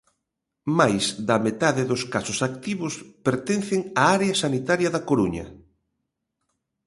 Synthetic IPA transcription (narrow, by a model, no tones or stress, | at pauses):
majzd̪ɐmet̪aðɪðʊskasʊsak̚t̪iβʊspeɾt̪en̟θɪŋaaɾeɐsanit̪aɾjɐðɐkoɾuɲɐ̰